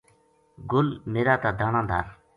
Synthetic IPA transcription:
ɡolmeɾat̪ad̪aɳand̪a̰r

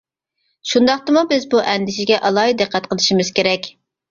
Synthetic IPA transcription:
ʃund̪ɑχt̪ɨmubɪzbuʔɛnd̪ɪʃɪɡʲɛʔɑlˠɑːid̪ɨqʰːæt̪qʰəlˠɨʃimɪz̥kʲeɾɛkʲ

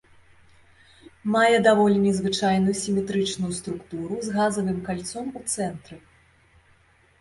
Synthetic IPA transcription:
majɛd̪avɔlʲinʲɛzvɨt͡ʂajnujusʲimʲɛt̪ɾɨt͡ʂnujust̪ɾukt̪uɾuzɣazɐvɨmkalʲt̪sɔmut̪sɛnt̪ɾɨ

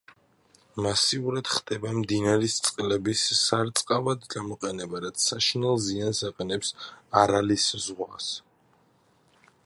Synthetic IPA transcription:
masiuɾad̪̥χd̪̥ɛbamd̪inaɾist̪sʼqʼlɛbisːaɾt̪sʼqʼavad̪ɡamɔqʼɛnɛbaɾat̪sʰːaʃinɛlˠziansaqʼɛnɛpsaɾaliszʁwas

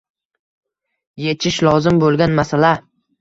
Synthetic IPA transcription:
jet͡ʃʰɪʃlɒzɪmbolˠɡʲanmasala

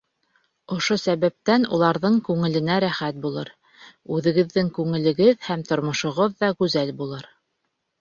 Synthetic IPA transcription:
ŏʃosæβæp̚t̪ænulˠɑɾðɤɴkʉŋɘ̆lɘ̆næɾæχæt̪̚bulˠɤ̰ɾ | ʉðɘ̆ɡɘ̆ðːɘŋkʉŋɘ̆lɘ̆ɡɘðhæmt̪ŏɾmŏʃŏʁoðːɑɡʉzælbulˠɤɾ

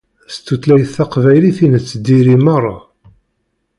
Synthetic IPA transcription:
st̪ːut̪læjθθɑqvæjliθinət͡sːəd̪iɾimɑrˤːɑ

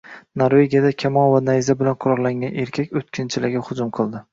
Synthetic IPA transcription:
noɾve̞ɡʲijad̪akʲʰamɒlˠvanajzabɪlanqʰʊɾɒʁlˠaŋɡʲanʔe̞ɾkʲʰakʲɵt̪̚kʲʰɪnt͡ʃʰɪlɪɡʲɪhʊd͡ʒʊmqʰɨlˠd̪ɪ

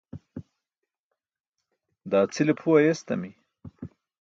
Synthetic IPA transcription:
d̪ɑːt͡silepʰuwajest̪ɐ̰mi

